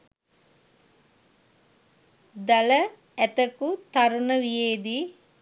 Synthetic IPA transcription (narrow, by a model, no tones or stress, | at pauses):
d̪ɐlɐ | ɛt̪əkut̪ɐɾunɐʋijeːd̪i